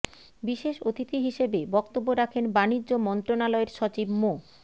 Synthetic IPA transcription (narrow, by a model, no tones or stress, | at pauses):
biʃeʃot̪ʰit̪iɦiʃebebɔkt̪obːoɾakʰenbanid͡ʑːomɔnt̪ɾonalɔeɾʃɔt͡ɕibmo